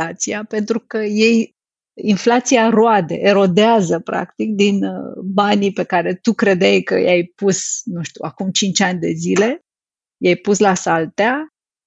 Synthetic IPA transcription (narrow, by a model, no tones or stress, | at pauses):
at̪siape̞nt̪ɾukəje̞j | inflat̪siaɾoad̪e̞̰ʔeɾo̞d̪eazəpɾa̰kt̪ik̚d̪inbanipe̞kaɾe̞t̪ukɾe̞d̪ejkə̰jajpusnuʃt̪uakumt͡ʃint͡ʃanʲd̪e̞̰zile̞ | jajpuslasalt̪ea